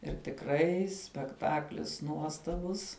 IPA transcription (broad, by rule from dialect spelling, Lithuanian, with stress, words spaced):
ɪr tʲɪkˈrɐɪ sʲpʲɛkˈtɑːklʲɪs ˈnuɔstɐbʊs